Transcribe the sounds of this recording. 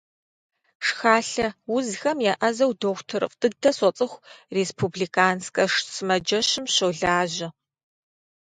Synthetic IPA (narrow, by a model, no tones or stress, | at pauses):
ʂxaːɬɐwʊzxɐmjaʔɐzɐwdoːxʷtʰɨɾɨ̰fʼtʼɨɡ̚dʰɐsɔt͡sʼɨxʷreːspʰubɮiːkʰaːnskʼɐʂsɨmɐd͡ʒɐʃɪmɕowɮaːʑɪ